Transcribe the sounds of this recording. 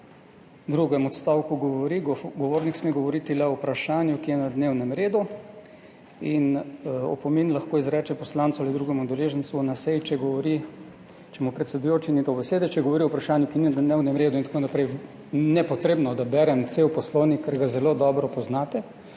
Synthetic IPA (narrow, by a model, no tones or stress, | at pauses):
d̪ɾuɡɛmɔt̪st̪aːwkuɡɔɔɾiɡɔʋoːɾniksmeɡɔʋɔɾit̪ilɛɔwpɾaʃaːnjukijɛnad̪neːwnɛmɾeːd̪u | inɔ̰pɔmenlaxkoːizɾɛt͡ʃɛpɔslaːnt̪sualid̪ɾuːɡɛmud̪ɛleːʒɛnt̪suɔnasɛjt͡ʃɛɡɔʋɔɾi | t͡ʃɛmɔpɾɛt̪sɛd̪ujoːt͡ʃinit̪obɛseːd̪ɛt͡ʃɛɡɔʋɔɾiɔwpɾaʃaːnjukininad̪newnɛmɾeːd̪uint̪akonapɾɛj | nɛpɔt̪ɾeːbnɔd̪abɛɾɛmt̪sewpɔsloːwnikːɛɾɡazɛlod̪ɔːbɾɔpɔznat̪ɛ